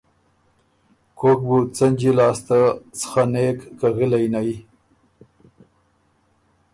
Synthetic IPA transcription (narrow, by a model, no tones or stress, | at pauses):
kok̚but͡sand͡ʒilɑːst̪at͡sə̥xanekːaɣilajnaj